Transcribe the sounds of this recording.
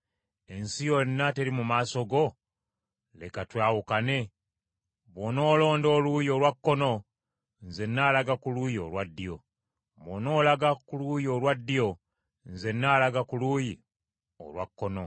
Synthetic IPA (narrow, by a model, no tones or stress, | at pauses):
e̞nsijonːate̞ɾimumaːso̞ɡo̞ | le̞katwaːwukane̞ | βono̞ːlo̞ːndo̞ːlujo̞lwakːo̞no̞ | nze̞nːaːlaɡakulujio̰lwadːijo̞̰ | βono̞ːlaɡakuluːjiolwadːijo̞ | nze̞nːaːlaɡakuluji | o̰lwakːo̞no